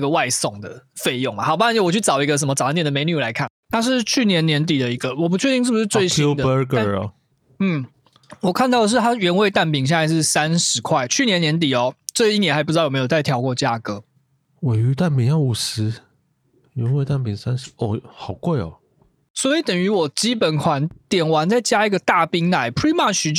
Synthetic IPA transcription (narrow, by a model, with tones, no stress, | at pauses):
ɡə˨wa˥˧ɪsɔ˥˨˩ŋd̪ə̰˩fe˥˧ɪjo˥˩ŋma˨˩xɑ˨˩ʊpa˥˧˨wɔ˨˩t͡ɕʰy˥˩ʈ͡ʂɑ˨˩ʊi˧˥ɡə˧ʂ̬ə˧˨˦mə˦ʈ͡ʂa˥nɛ˨˩nd̪əme˧ɪny˨˩la˧˦ɪkʰa˥˩nt̪ʰa˥ʂ̬ɻ̩˥˩˧t͡ɕʰy˥˩njɛ˧˥njɛ˧˥nt̪̬i˨˩d̪ə˦i˧˦˥ɡə˧wɔ˨˩p̬u˧˥t͡ɕʰɥɛ˥˧t͡ɕi˥˧ʂ̬̩˥˩bu˧ʂɻ̩˥˧t͡swe˥˧ɪɕi˦d̪ə˧ə˦˥ɡə̰˨˩ | n̩˥˩ | wɔ˨˩kʰa˥˧nt̪ɑ˥˩ʊd̪ə˩ʂ̬ɻ̩˥˩t̪ʰa˥ɥɛ˧˥nwe˥˧ɪt̪a˥˩np̬i˨˩ŋɕ̬ɛ˥˧na˥˧ɪʂɻ̩˥˩sa˦nʂɻ̩˨˧˦kʰwa˥˩ɪt͡ɕʰy˥˩njɛ˧˦njɛ˧˥nt̪̬i˨˩ɔ˨˦ʈ͡ʂɤ˥˧i˥˩njna˧˥ɪpu˥˧˥jjo˨˩t͡sa˥˩t̪ʰjɑ˧˥ʊkwɔ˥˧˩t͡ɕja˥˧kɤ˧˥ | we˨˩ɪy˧˥t̪a˥˩npi˨˧˨ŋjɑ˥˧ʊu˨˩sɹ̩˧˦ | ɥɛ˧˦nwe˥˧ɪt̪a˥˩npi˨ŋsa˦nʂ̩˧˦ɔ˥˩hɑ˨˩ʊkwe˥˩ɪɔ̰˨˩ | swɔ˧˥i˨˩t̪ə˨˩ŋy˧˥wɔ˨˩t͡ɕi˥pə˨˩nkʰwa˧˦nt̪jɛ˨˩nwa˧˥nt͡sa˥˩ɪt͡ɕja˥i˧˥ɡə˨t̪a˥˩pi˥ŋna˨˩˦ɪpʰɹi˥ma˥˩t͡ɕy˧˥